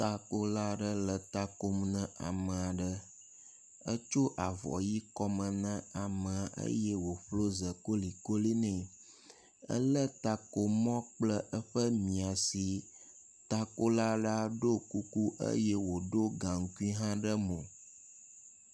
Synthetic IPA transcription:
t̪a˦ko˦la˦ɖə˦lə˨t̪a˦ko˦mnə̃˦a̰˨mə̃˨a˨ɖə˦ | ə˦t͡ʃo˦ʔa˨vɔ̰˨ji˦kɔ˦mə̃˨nə̃˦a˨mə˨a˨ʔə̰˦jɛ˦wo˨ɸlo˦zə˨ko˦li˨ko˦le˦nɛ̃˨ | ə̰˦lə˦t̪a˦ko˦mɔ̃˦k͡plə˦ʔə˦ɸə˦mĩ˨a˨si˨ | t̪a˦ko˦la˦ɖa˦ɖo˦ku˦ku˦ʔə̰˦jɛ˦wo˨ɖo˦ɡã˨ŋ̩˨ku˦i˦ɦã˦ɖə˦mõ˨

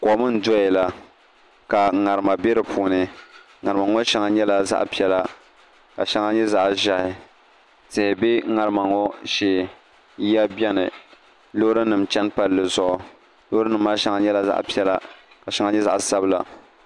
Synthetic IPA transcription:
kɔ˨˦mɨ˦n̩˦dɔ˦ɛ˨la˦ | ka˨ŋa˨ɾɨ˨ma˨bɛ˦ɾɨ˨pʰuː˨nɨ˨ | ŋa˨ɾɨ˨ma˨ŋɔ˦ʃɛ˨ŋa˨ɲɛ˦la˦za̰˦ʔpi˦ɛ˦la˦ | ka˨ʃɛ˦ŋa˦ɲɛ˦za˦ʔʒa˦hɪ˨ | tɨ˨hɪ˨bɪ˦ŋa˨ɾɨ˦ma˨ŋɔ˦ʃɪ˨˦ | ja˦bʲɛ˦nɨ̰˨ | lo˦ɾɨ˦nɨ˨mt͡ʃɛ˦npa˨lːɨ˨zʊ˦ʔʊ˦ | lo˦ɾɨ˦nɨ˨m̩ː˦aː˦ʃɛ˨˦ŋa˨ɲɛ˦la˦za̰˦ʔpi˦ɛ˦la˦ | ka˨ʃɛ˨˦ŋa˨ɲɛ˦za̰˦ʔsa˦bɨ˦la̰˨

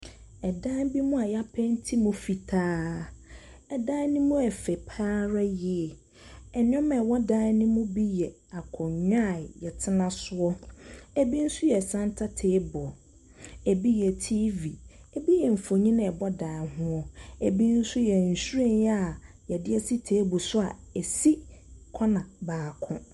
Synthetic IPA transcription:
ɛ˨dã˦bi˦mʊ̃˦a˨ja˦pʰɛ̃˦n˦tʰi˦mũ˦fi˨tʰaː˦ | ɛ˨da˦nĩ˦mũ˦ɛ˨fɛ˨pʰaː˦ɾa˦jɪ˦ɛ˨ | ɛ˨n˦ɔ̃˦mɛ˨wɔ˦da˦nɪ̃˦mʊ̃˦bi˦jɛ˨ | a˨kʰɔ̃˨ɲᶣa˦˨jɛ˨tʰɪ˦nã˦sʊ˦ɔ˦ɛ˦bi˦n̩˦sʊ˦jɛ˨sã˦ntʰa˦tʰeː˦bɔ˨ | ɛ˨bi˦jɛ˨tʰiː˦vi˨ | ɛ˨bi˦jɛ˨m̩˨fo˨ɲĩ˦nã˦˨ɛ˨bɔ˦daː˨hʊ̃˦ɔ˨e˨bi˦n̩˦sʊ˦jɛ˨n̩˨su˦ɾe˦˨njɛ˦a˨ | jɛ˨dɪ˦ɛ˦si˦tʰeː˦bʊ˨sʊ˦a˨ɛ˨si˦kʰɔ˦nã˨baː˨kʰʊ̰̃˦

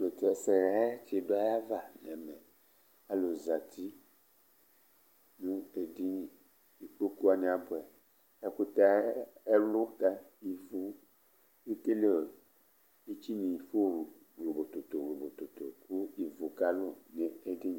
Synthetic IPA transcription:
be˨te˨sɛ˨ɾa˦e˦t͡ʃe˨do˦a˦ja˦va˨lɛ˨mɛ˨ | a˨lo˨za˨t̪i˦ | nũ˦e˨di˦ɲĩ˨ | i˨k͡po˦ku˦a˨ni˨a˨bʊ˨ɛ˨ | e˦ku˦t̪a˦e˦lʊ˦t̪a˦i˨vu˦ | i˦ke˦le˦˨ | i˦t͡ʃi˦nĩ˨i˨fo˦ɾu˨ | lo˨bo˨t̪o˨t̪o˨lo˨bo˨t̪o˨t̪o˨ku˦i˨vo˨ka˦lʊ˦ne˨e˦di˦ɲ˨

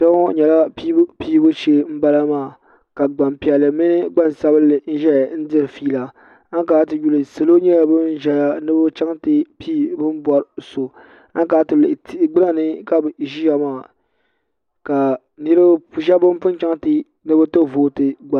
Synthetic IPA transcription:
sa˦ɔ˦ɲɛ˨la˦piː˦bʊ˦t͡ʃe˦m̩˦ba˦la˦maː˦˨ | ka˨ɡ͡ba˨mpi˨ɛ˨lːɨ˨mɪ˦nɨ˦ɡ͡ba˦n˨sa˦βɨ˦lɨ˨n̩˦ʒɛ˦˨n̩˦dɨ˦ɾɨ˨fiː˦la˨ | a˦ŋ˦kaː˨˦tɨ˨ju˦lɨ˨sɨ˨lo˦ɲɛ˦ja˨bɨ˦n̩˦ʒɛ˦ja˦nɨ˦bʊ˦t͡ʃa˦ŋtɨ˦pʰiː˦˨bɨ˦m˦bʷɔ˦ɾso˨ | a˦ŋ˦kaː˨˦tɨ˨lɨ˨tɡ͡bɨ˦la˦nɨ˦ka˦bʒi˦ja˨maː˦˨ | ka˨ | nɨ˦ɾɨ˦bpu˦ʒa˦bɨ˦m˦pʊ˦nt͡ʃa˦ŋtɨ˦ | nɨ˦bɨ˦tɨ˦voː˨tɨ˨ɡ͡ba˨

